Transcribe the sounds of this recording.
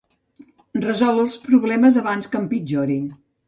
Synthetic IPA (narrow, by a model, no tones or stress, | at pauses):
rəzɔlˠəlˠspɾuβlɛməzəβanskəmpid͡ʒoɾiŋ